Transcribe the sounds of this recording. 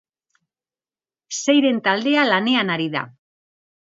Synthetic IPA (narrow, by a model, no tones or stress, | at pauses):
se̞jɾe̞nt̪ald̪e̞alane̞anaɾiða̰